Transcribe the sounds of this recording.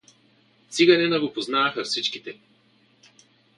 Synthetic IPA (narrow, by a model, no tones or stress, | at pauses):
t̪siɡɐnɛnɐɡopoznaːxɐfsit͡ʃkit̪ɛ